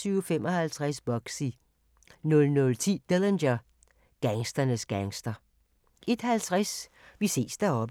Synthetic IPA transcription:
syʊfem̰ʔɒ̽hælt͡sʰʁasb̥ɒ̽ɡ̥si | nɔ̽lnɔ̽lt͡sʰḭːd̥elenɕɐ | ɡ̥æŋsd̥ɐnəsɡ̥æŋsd̥ɐ | e̝d̥hælt͡sʰʁas | ʋise̝̰ːsd̥æɐɒ̽b̥

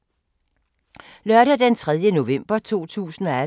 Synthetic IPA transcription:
lɶɐɾæd̥ent͡sʰʁɛð̞ˠjəno̝ʋem̰b̥ɐt͡sʰo̝̰ːt͡sʰṵːsn̩ɒ̽æ

